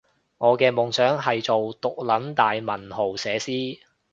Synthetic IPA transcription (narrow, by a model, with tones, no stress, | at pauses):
ŋɔː˨˧kɛː˧mʊ˨ŋsœː˨˥ŋɦɐ˨jt͡so˨wt̪ʊ˨k̚lɐ˨˥nt̪aː˨jmɐ˨˩nɦo˨˩wsɛː˨˧siː˥